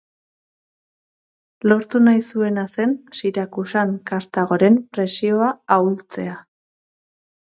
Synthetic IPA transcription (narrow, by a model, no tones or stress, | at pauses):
lo̞ɾt̪unajsue̞nase̞nsiɾakusaŋkaɾt̪aɣo̞ɾe̞mpɾe̞sio̞aawlt͡se̞̰a